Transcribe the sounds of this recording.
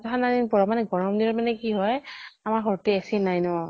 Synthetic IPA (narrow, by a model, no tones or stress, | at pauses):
tɔɦanadinpɔɹɔmanɛɡɔɹɔmdiɔmanɛkiɦɔjamaɹɦɔɹtiasinajnɔ